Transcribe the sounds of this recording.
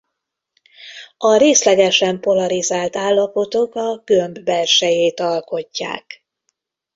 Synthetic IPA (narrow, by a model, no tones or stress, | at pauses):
ɒɾeːslɛɡɛʃɛmpo̞lɒɾizaːlt̪aːlːɒpo̞t̪o̞kɒɡømbbɛlʃɛjeːt̪ɒlko̞cːa̰ːk